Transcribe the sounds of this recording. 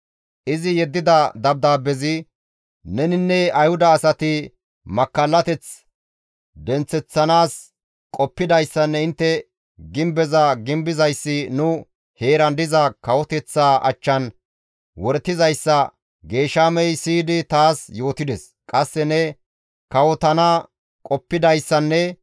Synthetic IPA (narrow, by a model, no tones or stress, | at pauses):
ʔɪzɪjɛd̪ːɪd̪ɐd̪ɐb̚d̪aːbɛzɪ | nɛnɪnːɛɐjhʊd̪ɐːsɐt̪ɪ | mɐkːɐlːɐt̪ɛt͡s | d̪ɛnt͡sːɛt͡sːɐnaːs | kʼɔpːɪd̪ɐjsːɐnːɛɪnt̪ːɛ | ɡɪmbɛzɐɡɪmbɪzɐjsːɪnʊ | he̞ːɾɐnd̪ɪzɐkɐwɔt̪ɛt͡sːaːʔɐ̰t͡ʃːɐn | wɔɾt̪ːɪzɐjsːɐ | ɡe̞ːʃaːmɛjsiːd̪ɪt̪aːsjo̞ːt̪ɪd̪ɛs | kʼɐsːɛnɛ | kɐwɔt̪ɐnɐ | kʼɔpːɪd̪ɐjsːɐnːɛ